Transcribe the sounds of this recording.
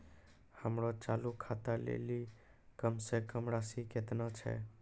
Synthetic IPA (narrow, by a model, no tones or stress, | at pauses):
həmɾɔt͡ʃalukʰat̪əlḛli | kəmsekəmɾasiket̪nat͡ʃʰɛ̰